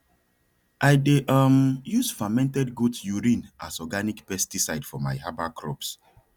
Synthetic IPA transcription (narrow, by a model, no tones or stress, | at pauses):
ʔaɪdeʔʌmjusfamɛ̃ntɛdɡutsjuɹĩnʔa̰sɔɡanikpɛstisaɪdfɔma̰ɪhabakʰɹɔ̰ps